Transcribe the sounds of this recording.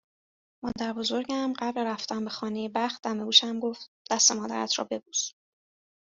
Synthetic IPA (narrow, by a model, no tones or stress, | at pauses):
mɒ̰ːd̪æɾbo̞zo̞ɾɟæmɢæbɾeɾæft̪æmbexɒːnejebæxt̪̚d̪æmeuːʃæmɡo̞ft̪̚ | d̥̪æst̪e̞mɒːd̪æ̰ɾæ̰t̪ʰɾɒ̰ːbe̞buːs